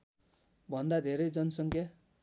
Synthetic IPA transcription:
bʱʌnd̪ad̪ʱeɾʌjd͡zʌnʌsʌŋkja

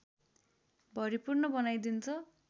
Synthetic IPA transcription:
bʱʌɾipurnʌbʌnajd̪int͡sʰʌ

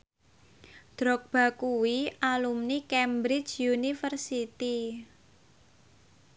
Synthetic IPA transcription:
d̪̥ɾɔk̚b̥a̤kuwiʔalumnikɛmbɾɪd͡ʒjunifərsit̪i

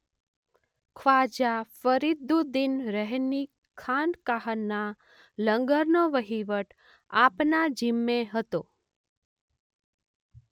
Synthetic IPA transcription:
kʰʋad͡ʒafəɾid̪ud̪inɾəɦni | kʰankaɦənːa | ləŋɡəɾnoʋəɦiʋəʈ | apnad͡ʒimːeɦət̪o

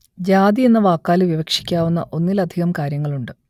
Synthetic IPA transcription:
d͡ʑaːd̪ie̞nːɐʋaːkːaːlɨʋiʋɐkʂi̥kʲːaːʋunːɐ̰ʔo̞nːilɐd̪ʱiɣɐmkaːɾjɐŋːɐɭuɳɖɨ

